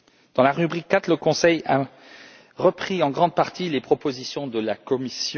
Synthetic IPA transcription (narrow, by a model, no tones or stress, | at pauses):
d̪̥ɑ̃laʁybʁikːat̪χləkɔ̃sɛja | ʁəpχiɑ̃ɡʁɑ̃d̪̚paʁt̪ʰilepχɔpozisjɔ̃d̪əlakɔmisj